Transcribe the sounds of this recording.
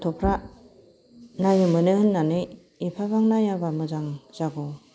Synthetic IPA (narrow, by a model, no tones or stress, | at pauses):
tʰɔpʰɾa | najɯmɯnɯhɯnːanɯj | ipʰaβaŋnajaɾbamɯzaŋz̥aɡɔ